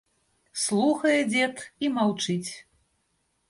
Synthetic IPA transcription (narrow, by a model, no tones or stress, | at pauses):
slˠuxɐjɛd͡zʲɛt̪imawt͡ʂɨt͡sʲ